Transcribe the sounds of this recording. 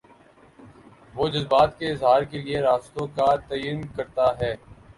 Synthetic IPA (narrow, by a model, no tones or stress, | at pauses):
ʋoːd͡ʒɐzbaːt̪keɪzɦaːɾkelieɾaːst̪õkat̪ɐjənkɐɾt̪aɦɛː